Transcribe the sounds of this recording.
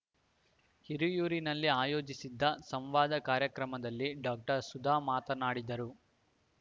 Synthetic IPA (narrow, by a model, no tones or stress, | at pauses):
hiɾujuːɾinɐlːiaːjo̞ːd͡ʒisid̪ːɐsɐmʋaːd̪ɐkaːɾjɐkɾɐmɐd̪ɐlːiɖaːk̚ʈɐɾsud̪ʱaːmaːt̪ɐnaːɽid̪ɐɾu